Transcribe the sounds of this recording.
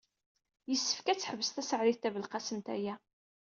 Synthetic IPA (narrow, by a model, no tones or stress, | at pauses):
jəsːə̥fkæt͡sːħəvːəst̪æsəʕɾɪθt̪ːævəlqɑsənt̪æ̰jæ